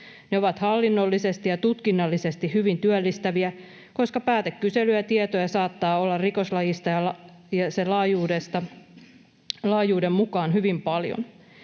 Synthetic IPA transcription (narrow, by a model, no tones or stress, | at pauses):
neo̞ʋɑt̪hɑlːinːolːisest̪ijɑt̪ut̪kinːɑlːise̞st̪ihyʋint̪yølːist̪æʋiæ | ko̞skɑpæːt̪ekːyselyjæt̪iet̪ojɑsɑːt̪ːɑːolːɑrriko̞slɑjist̪ɑjɑɑ | jɑselɑːjuːdest̪ɑ | lɑːjuːdemmukɑːnɦyʋimpɑljo̰n